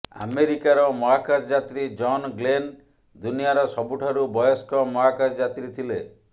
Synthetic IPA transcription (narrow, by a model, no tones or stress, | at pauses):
a̰meɾikaɾɔmɔɦakasd͡ʒat̪ɾid͡ʒɔnɡlen | d̪unijaɾɔsɔbuʈʰaɾubɔjɔskɔmɔɦakad͡ʒd͡ʒat̪ɾit̪ʰile